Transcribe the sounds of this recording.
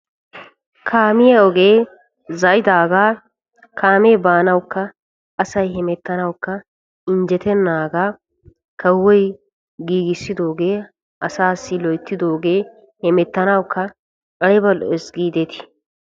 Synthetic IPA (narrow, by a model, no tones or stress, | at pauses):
kʰaːmɪjɐɔɡe̞ː | zɐjɪd̪aːɡaː | kʰaːmeːbaːnɐwʊkːɐ | ɐsɐjhɛmɛt̪ːɐnɐwkːɐ | ɪnd͡ʒɛt̪ɛnːaːɡaː | kɐwːɔj | ɡiːɡɪsːɪd̪o̞ːɡe̞ː | ɐsaːsːɪlɔjt̪ːɪd̪o̞ːɡe̞ː | hɛmɛt̪ːɐnɐwkːɐ | kʼɐɽɛbɐlɔʔɛsɡiːd̪et̪ɪ̥